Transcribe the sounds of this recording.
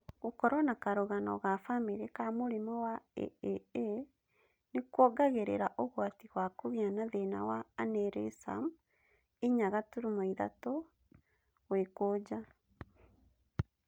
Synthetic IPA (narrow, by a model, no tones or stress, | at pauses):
ɣukɔɾwanakaɾuɣanɔ̰ɣafamiɾekamuɾimɔwaḛee | nikwɔɡaɣeɾḛɾaʔoɣwatiɣwakuβianaðena̰waːneɾesa̰m | iɲaɣatuɾimoiða̰to | wekoːd͡ʒa